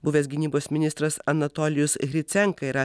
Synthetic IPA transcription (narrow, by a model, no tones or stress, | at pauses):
bʊʋʲeːsʲɡʲɪnʲiːboːsʲmʲɪnʲɪst̪ɾɐsɐnɐt̪oːlʲɪjʊsɣʲɾʲɪt̪sʲɛŋkɐiɾɐ